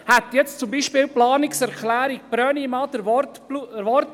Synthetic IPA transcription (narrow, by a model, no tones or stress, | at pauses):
hæt̪jɛt͡st͡sumbiʃpɪːlplɑːnɪksɛɾklæːɾik̚b̥ɾœːnimɑːd̪əɾvɔt | luvɔrt